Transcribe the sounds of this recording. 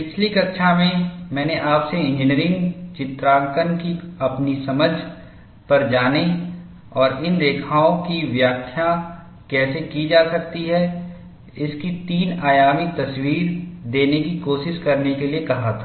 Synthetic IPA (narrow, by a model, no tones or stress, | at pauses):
pɪt͡ʃʰlikɐkʃamẽmɛ̃ːneʔaːpseɪ̃nd͡ʒɪniəɾɪ̃ŋɡt͡ʃɪt̪ɾaːŋkənkiɐpnisɐməd͡ʒʱ | pɐɾd͡ʒaːne | ɔːɾɪnd̪eːkʰaːõkiʋjaːkʰja | kɛːsekid͡ʒaːsɐk̚t̪iɦɛ | ɪskit̪iːnaːjaːmik̚t̪ɐswiːɾd̪eːnekikoːʃɪʃkɐɾnekeliekɐɦat̪ʰaː